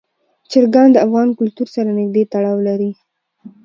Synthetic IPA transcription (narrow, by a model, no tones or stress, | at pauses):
t͡ʃɪɾɡand̪əafɣɑnkʊlt̪uɾsaɾanɪɡ̚d̪et̪aɽɑwlaɾi